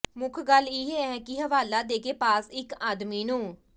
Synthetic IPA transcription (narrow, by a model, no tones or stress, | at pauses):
mʊkʰɡəlːiːɦeːɛːkɪɦəʋaːlaːd̪eːkeːpaːsɪkaːd̪miːnũː